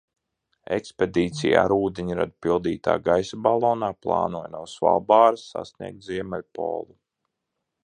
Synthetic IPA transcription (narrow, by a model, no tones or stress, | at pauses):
eksped̪iːt̪sija̰ːɾuːd̪ʲiɲiɾa̰d̪pilˠd̪iːt̪a̰ːɡajsabalˠɔːnaːplˠɑ̰ːnuɔːjnuɔsva̰lˠbaːɾasːa̰snḭɛɡ̚t̪ziɛmɛlʲpɔ̰ːlˠu